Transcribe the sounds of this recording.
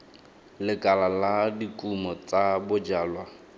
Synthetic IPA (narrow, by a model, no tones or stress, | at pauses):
lɪkʼalaladikʼumɔt͡sabʊd͡ʒaːlwa